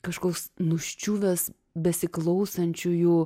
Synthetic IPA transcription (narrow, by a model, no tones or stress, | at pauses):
kɐʃkoːksnʊʃʲt͡ʃʲuːʋʲɛs | bʲɛsʲɪklˠɐʊsɐnʲt͡ʃʲʊjuː